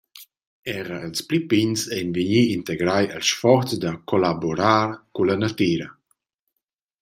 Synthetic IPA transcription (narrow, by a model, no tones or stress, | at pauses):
ɛʁəəlsplipinsɛjnviɲiːnt̪eɡɾajəlʃfɔɾt͡sd̪akʰolaboɾaːɾkulanat̪iːɾɐ